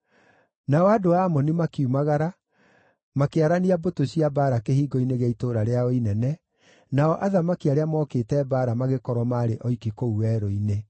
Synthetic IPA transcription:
naɔadoamɔnimakumaɣaɾa | makeaɾaniabotoɕiabaːɾakehiːɡɔineɣaitoːɾaɾeaoinɛnɛ | naɔʔaðamakiaɾeamɔketɛbaːɾamaɣekɔɾɔmaɾeʔɔikikouwɛɾoine

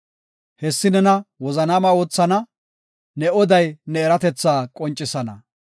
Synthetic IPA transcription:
hɛsːɪnɛnɐwɔzɐnaːmɐoːt͡sːɐnɐ | nɛɔd̪ɐjnɛːɾɐt̪ɛt͡sːaːkʼɔnt͡ʃʼːɪsɐnɐ̰

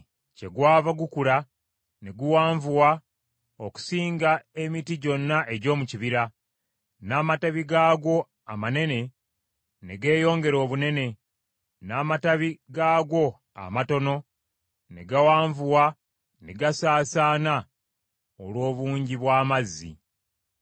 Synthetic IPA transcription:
ce̞ɡwaːvaɡukula | ne̞ɡuwaːɱvuwa | oku̥siːŋɡae̞mitiɟo̞nːaʔe̞ɟo̞ːmuciβiɾa | naːmataβiɡaːɡo̞ | amane̞ne̞ | ne̞ɡe̞ːjo̞ːŋɡe̞ɾo̞ːβune̞ne̞ | naːmataβiɡaːɡo̞ | a̰mato̞no̞ | ne̞̰ɡawaːɱvuwa | ne̞ɡasaːsaːna | olwo̞ːβuːɲɟiβwaːmazːḭ

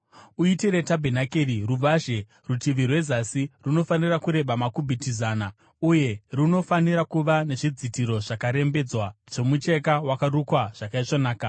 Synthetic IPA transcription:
uitiɾe̞tabʱenakeriruʋaʒe̞ | rutiʋirwe̞zasiruno̞fanirakuɾe̞ɓamakubʱitizaːna | uje̞rino̞faniɾakuʋane̞ʐid͡zitiɾo̞ʐ̥akaɾe̞mbe̞d͡zwaʐo̞mut͡ʃe̞k̬awakaɾukwaʐ̥akait͡ʂonaːka

